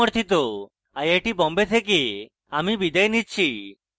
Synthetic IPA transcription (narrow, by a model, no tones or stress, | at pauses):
ɔɾt̪ʰit̪o | ajeʈibɔmbet̪ʰek̬e | amibid̪ɛjnitt͡ʃʰi